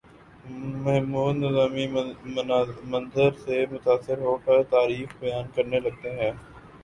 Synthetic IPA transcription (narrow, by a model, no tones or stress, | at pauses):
mɐɦmuːnːɪzaːmi | mɐ̃nzəɾsemʊt̪aːsːɪɾɦoːkəɾt̪aːɾiːxbɐjaːnkɐɾnelɐɡ̚t̪eɦɛ̃ː